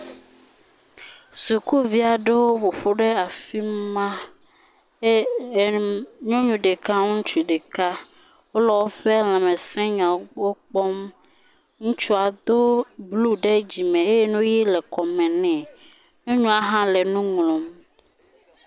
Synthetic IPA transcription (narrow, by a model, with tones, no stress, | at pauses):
su˨ku˦vi˦a˨ɖe˦wo˦wo˨ɸo˦ɖe˦a˨fi˦mã˦˨ | ɲɔ̃˦ɲũ˨ɖe˨ka˦ŋ̩̃˦t͡ʃu˨ɖe˨ka˦ | wo˦lɔ˦wo˦ɸɛ˦l̃ã˨mɛ̃˨sɛ̃˦ɲã˨˦ɡ͡bo˦k͡pɔ˦m | ŋũ˦t͡ʃu˦a˨d̪o˦blu˦ɖe˦d͡ʑi˨mẽ˨e˦je˦nũ˦ji˦lɛ˨kɔ˨mɛ̃˨nɛ̃˨ | ɲũ˦ɲũ˦a˦ɦã˦lɛ˨nũ˦ŋlõ˨m